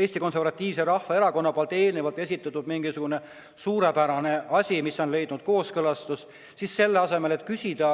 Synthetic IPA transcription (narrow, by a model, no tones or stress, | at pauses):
e̞ːsʲt̪iko̞nse̞rvɑt̪ʲˑːiːvseɾɑhvɑe̞ɾɑko̞nːɑpoɑlt̪ːˑeːlnevɑlt̪ːˑe̞sʲit̪ːˑɑt̪ːˑud̪miŋɡ̥isuɡ̥une̞ | suːɾepæɾɑne̞ɑsʲimiso̞nle̞jd̪̥nud̪̥ko̞ːskɤlɑst̪us | sisse̞lːeɑse̞me̞let̪ˑkysʲid̪̥ɑ